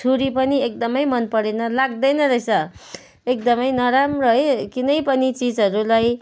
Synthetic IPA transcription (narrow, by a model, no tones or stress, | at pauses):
t͡sʰuɾipʌniek̚d̪ʌmʌjmʌnpʌɽenʌlaɡd̪ʌjnʌɾʌjsʌ | ek̚d̪ʌmʌjnʌɾamrʌɦekinʌjpʌnit͡sid͡zʌɾulaj